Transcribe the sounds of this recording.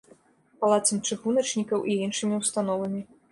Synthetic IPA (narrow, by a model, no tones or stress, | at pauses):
palˠat̪sɐmt͡ʂɨɣunɐt͡ʂnʲikɐwʔiinʂɨmʲiwst̪anɔvɐmʲi